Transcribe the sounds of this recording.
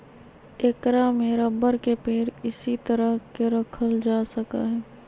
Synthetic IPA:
ekɾamẽɾɐbəɾkepeːɾɪsit̪əɾəɦkeɾɐkʰəld͡ʒaːsɐka̰ɦɛː

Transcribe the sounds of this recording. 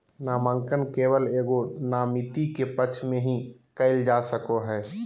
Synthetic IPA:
naːməŋkənkeːwəleːɡonaːmit̪ikepət͡ʃʰmẽɦĩkəɪld͡ʒaːsəkoɦɛː

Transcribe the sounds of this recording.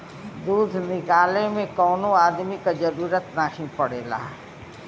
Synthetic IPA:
d̪uːd̪ʱnɪkaːlemẽkɔːnõaːd̪mikad͡ʒɐɾuːɾət̪naːɦĩpɐɽḛːla̰ː

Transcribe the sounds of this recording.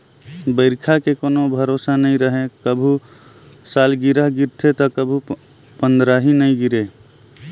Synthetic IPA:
bəɪɾkʰakekonobʱəɾosanəĩɾəɦẽkəbʱu | salɡiɾəɦɡiɾt̪ʰet̪ɔkəbʱu | pənd̪ɾaɦinəĩɡiɾe

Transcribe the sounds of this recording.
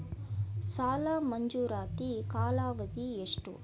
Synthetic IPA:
saːlaːmɐɲd͡ʒuːɾaːt̪ikaːlaːʋɐd̪ieʂʈṵ

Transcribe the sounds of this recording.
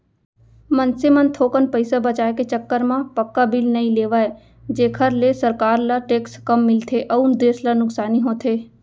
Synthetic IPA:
mɐnsemənt̪ʰoːkənpəɪsabɐt͡ʃaːeket͡ʃəkːəɾmãpəkːabɪlnɐĩleːʋaːe | d͡ʒeːkʰəɾlesəɾkaːɾlaʈeːkskɐmːɪlt̪ʰeʔɐund̪eːslanʊksaːniɦoːt̪ʰeː

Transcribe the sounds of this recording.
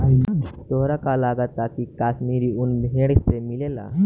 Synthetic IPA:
t̪oɦɾakalaɡət̪akikasmiɾiːunbʱẽɽt͡semilela̰

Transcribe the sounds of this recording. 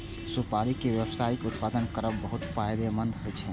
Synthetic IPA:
supaɾikeʋjəbsaikut̪pad̪ənkəɾəbbəɦut̪pajd̪emənd̪ɦojt͡ʃʰɛ

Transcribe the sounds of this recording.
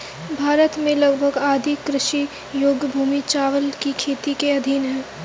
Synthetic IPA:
bʱaːɾət̪mẽlɐɡbʱəɡaːd̪ʱikːɾɪʃi | joːɡbʱuːmit͡ʃaːʋəlkikʰeːt̪ikeɐd̪ʱinɦɛː

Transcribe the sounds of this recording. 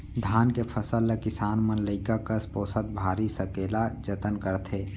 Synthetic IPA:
d̪ʱaːnkepʰəsəlːekɪsaːnmənləɪkakəspoːsət̪̚bʱaːɾisəkeːlad͡ʒət̪ənkəɾt̪ʰeː

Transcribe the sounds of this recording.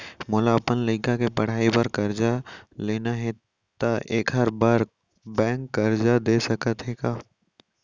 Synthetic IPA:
moːlapənləɪkakepɐɽ̤aːipaɾkɐɾd͡ʒaleːnaɦe | t̪aʔeːkɦɐɾbaːɾ | bɛ̃ːŋkːɐɾd͡ʒad̪esɐkət̪ɦeːɡaː

